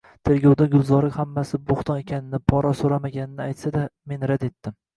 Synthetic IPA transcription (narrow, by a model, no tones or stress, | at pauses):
t̪ʰe̞ɾɡʲawd̪aɡʲʊlˠzɒɾɪkʲhamːasɪboχt̪ʰɒne̞kʲʰanɪnɪpʰɒɾɒsoɾamaɡʲanɪnɪajt̪sad̪ame̞nɾad̪e̞t̪ːɪm